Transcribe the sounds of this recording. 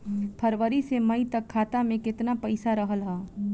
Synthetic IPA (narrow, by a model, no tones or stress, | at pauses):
pʰəɾʋəɾisemɐit̪ɐkkʰːaːt̪amẽkɪt̪napɐɪsaɾəɦəlɦaː